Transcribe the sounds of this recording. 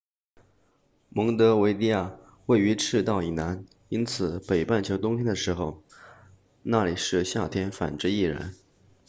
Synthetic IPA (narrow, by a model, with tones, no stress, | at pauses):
mɤ˧˥ŋt̪ɤ˧˥we˧˥ɪli˥˧ja˥˩ | we˥˩ɪy˧˥ʈ͡ʂʰɻ̩˥˧t̪ɑ˥˩ʊi˨˩na˧˥n | i˥nt͡sʰɹ̩˨˩pe˨˩ɪpa˥˩nt͡ɕʰjo˧˥ʊt̪ʊ˥ŋt̪ʰjɛ˥nd̪ə˨ʂɻ̩˧˥xo˧ʊ | na˥˩li˨˩ʂɻ̩˥˧ɕja˥˩t̪ʰjɛ˥nfa̰˨˩nʈ͡ʂɻ̩˥i˥˩ɻə̰˧˥n